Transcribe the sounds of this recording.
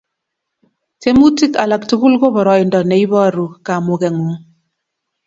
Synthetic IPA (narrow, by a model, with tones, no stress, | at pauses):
te˦mu˦ti˦ka˨la˨k̚tu˦ku˦lko˦bɔ˨ɾɔ˨i˨ndɔ˨nɛ˨˦i˦βɔ˦˨ɾu˨ka˨mu˨kɛ˨ŋu˨ŋ